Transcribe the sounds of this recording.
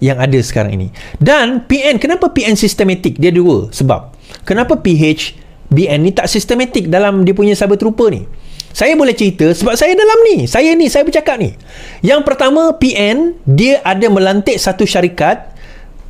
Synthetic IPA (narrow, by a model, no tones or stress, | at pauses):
jaŋadəsə̥ka̰ɾa̰ŋḭnḭ̃danpiɛnkənapəpiɛnsist̪əmãt̪ɪk̚diəduə̰səba̰p̚ | kənãpəpiɦet͡ʃ | biɛnːĩt̪aʔsist̪əmãt̪ɪk̚dalamdiəpuɲãsabət̪ɾupənḭsajabolɛht͡ʃəɾit̪əsəbap̚sajadalamnisajanisajabərt͡ʃakap̚nḭ | jaŋpərt̪amãpiʔɛndiəʔadamə̃lant̪ɪʔsat̪uʃaɾikat̪̚